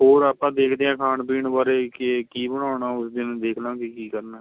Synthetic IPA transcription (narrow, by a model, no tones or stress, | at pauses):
ɦoːɾaːpãːd̪eːkʰd̪eːãːkʰaːɳpiːɳbaːɾeːkekiːbəɽ̃aːnaːʊsd̪ɪnd̪eːkʰnãːkikiːkəɾnaː